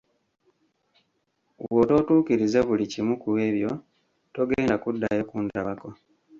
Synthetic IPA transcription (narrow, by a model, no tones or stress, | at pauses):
wwoto̞ːtuːkiɾizaβulicimukuwe̞ːβjo̞ | to̞ɡeːndakudːa̰je̞kuːndaβako